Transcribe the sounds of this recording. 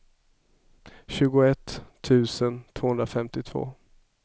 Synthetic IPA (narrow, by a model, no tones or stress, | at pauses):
ɕʉ̟ːɡʊɛt̪ʰː | ʉ̟ːsənt̪ʰv̥oːɵnd̪ɾafɛmt̪ɪt̪ʰv̥o̰ː